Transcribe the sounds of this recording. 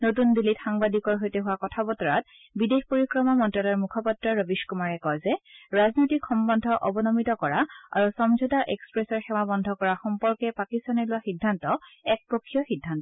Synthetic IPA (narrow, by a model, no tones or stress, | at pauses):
notundilitxaŋbadikɔɹɦojtɛɦʊwakɔtʰabɔtɔɹat̚ | bidexpoɹikɹɔmɔmɔntɹalɔɹmukʰɔpatɹɔɹɔbiʃkumaɹɛkɔjzɛɹaznojtikxɔmbɔndʱɔʔɔbɔnɔmitɔkɔɹaa̰ɹusɔmzʱɔtaʔɛkspɹɛsɔɹxɛwabɔndʱɔkɔɹaxɔmpɔɹkɛpakistanɔlʊwaxidʱːantɔɛk̚pokʰːijɔxidʱːantɔ